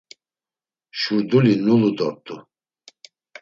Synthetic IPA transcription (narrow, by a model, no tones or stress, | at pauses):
ʃuɾd̪ulinulud̪ɔɾt̪ʼu